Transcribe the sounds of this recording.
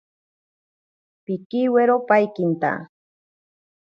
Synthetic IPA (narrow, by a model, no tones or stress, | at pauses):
pikiweɾopajkint̪a̰